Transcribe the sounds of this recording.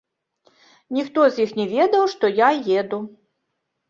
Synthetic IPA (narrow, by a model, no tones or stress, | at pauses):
nʲixt̪ɔzʲjixnʲɛvʲɛd̪ɐwʂt̪ɔjajɛd̪u